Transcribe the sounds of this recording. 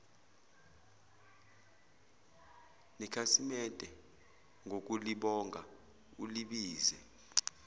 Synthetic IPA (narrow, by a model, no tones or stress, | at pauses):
nikʰasimɛtʼɛ | ŋʱok̬ʼuliɓɔŋʱa | uliɓiːzɛ